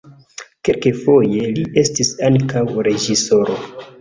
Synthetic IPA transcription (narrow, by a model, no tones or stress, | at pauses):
ke̞lkefo̞je̞lie̞stisankawɾe̞d͡ʒiso̞ɾo̞